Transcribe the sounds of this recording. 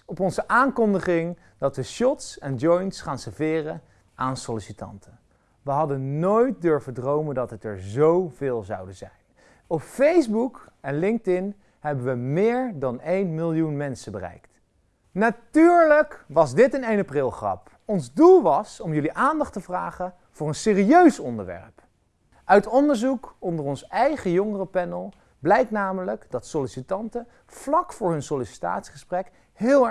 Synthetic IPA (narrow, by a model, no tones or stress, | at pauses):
ɔpɔnzəʔaːŋkɔndəχɪŋ | dɑtʋəʃɔtsɛnd͡ʒɔjntsχaːnsəvɪːrə | ʔaːnsolɪsitɑ̰ntʰə | ʋəɦɑdənojt̚døɹvədrowməndɑtətɛɹzowvɪːlˠzɑ̰wdəzɛ̰jn | ɔpfejzbukɛnlɪŋk̚tɪn | hɛbənʋəmɪːɹdɑnejnmɪlˠjunmɛnsəbərɛ̰jkt | natyːɹləkʋɑzdɪtənejnaprɪlˠχrɑ̰p | ɔnzdulˠʋɑsɔmjɵliʔaːndɑχtəvraːχə | v̥ʊːɹənsɪːriøɥsɔndə̰ɹʋɛ̰ɹp | ʔœɥtɔndəɹzukɔndəɹɔnsɛjχəjɔŋərəpɛnəlˠ | blɛjk̚tnaːmələkdɑtsolisitɑntə | v̥lɑkfʊːɹɦɵnsolisi̥ta̰ːtsi̥χəsprɛk | ɦɪːlˠ